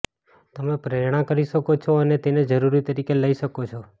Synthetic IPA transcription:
t̪əmepɾeɾɽ̃ãkəɾiʃəkot͡ʃʰoənet̪ened͡ʒəɾuɾit̪əɾikeləiʃəkot͡ʃʰo

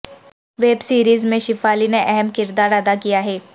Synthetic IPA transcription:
ʋeːbsiːɾiːzmẽʃɪfaːlineʔɛɦɛmkɪɾd̪aːɾɐd̪akijaɦɛː

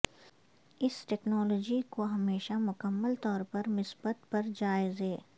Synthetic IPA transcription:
ɪsʈɛːknɔːlɔːd͡ʒikoɦɐmeːʃamʊkəmːəlt̪ɔːɾpɐɾmɪsbət̪pɐɾd͡ʒaːɪzeː

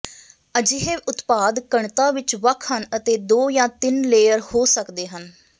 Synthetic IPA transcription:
əd͡ʒɪɦẽːʔʊt̪paːd̪kəɳt̪ãːʋɪt͡ʃʋəkʰɦənət̪eːd̪oːjãːt̪ɪnleːəɾhoːsəkd̪eːɦən

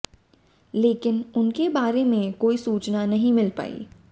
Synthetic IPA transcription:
leːkɪnʊnkebaːɾemẽkoːisuːt͡ʃnanɐɦĩmɪlpa̰ːḭ

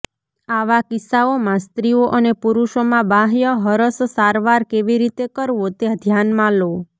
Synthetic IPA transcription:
aʋakisaomãst̪ɾioʔənepuɾuʃomãbãɦjəɦəɾəssaɾʋaɾkeʋiɾit̪ekəɾʋot̪ed̪ʱjanmãlo

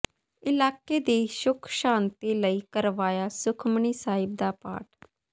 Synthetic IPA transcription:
ɪlaːkeːd̪iːʃʊkʰʃãːnt̪iːləiːkəɾʋaːjaːsʊkʰməɳiːsaːɪb̚d̪aːpa̰ːʈ

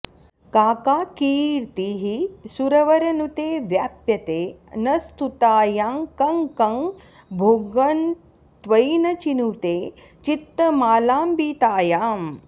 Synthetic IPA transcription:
kaːkaːkiːɽt̪iɦisuɾɐʋɐɾɐnut̪eːʋjaːpjɐt̪eːnɐst̪ut̪aːjaːŋkɐŋkɐŋ | bʱoːɡɐn | t̪ʋɐjnɐt͡ʃinut̪eː | t͡ʃit̪ːɐmaːlaːmbiːt̪aːjaːm

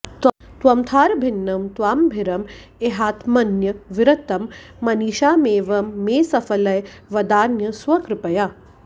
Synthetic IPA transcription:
t̪t̪ʋɐmt̪ʰaːɾbʱinːɐmt̪ʋaːmbʱiɾɐmeɦaːt̪ʰmɐnjɐʋiɾɐt̪ɐmː | ɐniːʃaːmeːʋɐmːeːsɐfɐlɐj | ʋɐd̪aːnjɐsʋɐkɾɪpɐjaː

